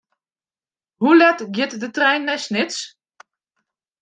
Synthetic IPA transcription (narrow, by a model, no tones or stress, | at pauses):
hulɛtɡjɪtdətrɛjnːɛsnɪts